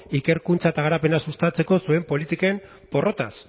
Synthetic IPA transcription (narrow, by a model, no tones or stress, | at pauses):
ike̞ɾkunt͡saet̪aɣaɾape̞nasust̪at͡se̞ko̞sue̞mpo̞lit̪ikaem | po̞ro̞t̪as